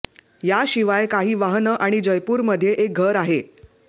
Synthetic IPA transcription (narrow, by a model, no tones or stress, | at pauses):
jaɕiʋajkaɦiːʋaɦnəʔaɽ̃id͡ʑəjpuːɾməd̪ʱːjeʔek̚ɡʱəɾaɦe